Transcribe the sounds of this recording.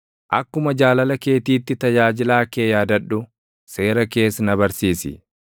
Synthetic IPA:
ʔɐkːʊmɐd͡ʒaːlɐlɐke̞ːt̪iːt̪ːɪt̪ɐd͡ʒaːd͡ʒɪlaːkeːjaːd̪ɐᶑːʊ | se̞ːɾɐke̞ːsnɐbɐɾsiːsɪ̰

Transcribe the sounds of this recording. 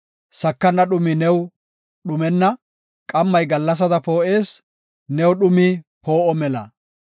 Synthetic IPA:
sɐkːɐnːɐɗʊmɪnɛw | ɗʊmɛnːɐ | kʼɐmːɐjɡɐlːɐs̬ɐd̪ɐpo̞ːʔe̞ːs | nɛwɗʊmipo̞ːʔɔmɛlɐ̰

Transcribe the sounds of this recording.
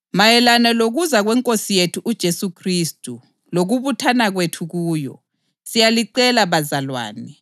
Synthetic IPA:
majɛlanɛloɣuzaɣwɛŋkʼosijetʰuʔud̥ʒ̥ʱesukʰriːstʼu | loɣuβutʰanaɣwetʰuɣuːjɔ̰ | sijaliǀɛlaβazalwa̰ːnɛ

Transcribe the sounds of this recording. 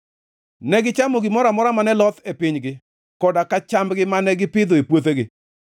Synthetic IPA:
nɛɡɪt͡ʃamoɡɪmɔɾamɔɾamanɛlɔt̪epɪɲɡɪ | kɔdakat͡ʃambɡɪmanɛɡɪpɪd̪ɔepwot̪̬eɡɪ

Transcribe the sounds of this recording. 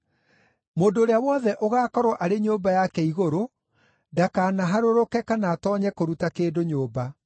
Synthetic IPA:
moːndoːɾeawɔðɛʔoɣaːkɔɾɔʔaɾeɲoːbajakɛiɣoɾo | dakaːnaɦaɾoɾokɛkanaːtɔːɲɛkoɾutakeːdoɲoːba

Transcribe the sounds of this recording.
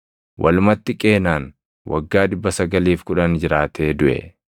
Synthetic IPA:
wʔɐlʊmɐt̪ːɪkʼe̞ːnaːn | wʔɐ̰ɡːaːᶑɪbːɐsɐɡɐliːfkʊᶑɐnd͡ʒɪɾaːt̪ʰe̞ːd̪ʊʔɛ̰

